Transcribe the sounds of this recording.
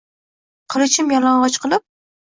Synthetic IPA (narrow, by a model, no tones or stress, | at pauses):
qʰɨlˠɪt͡ʃʰɪmjɒlɑɴʁɒt͡ʃqɨlˠɪp̚